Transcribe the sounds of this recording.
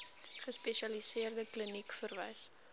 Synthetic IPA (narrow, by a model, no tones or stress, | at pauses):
χəspeʃɐlisiərdəklinikfərvɛ̰js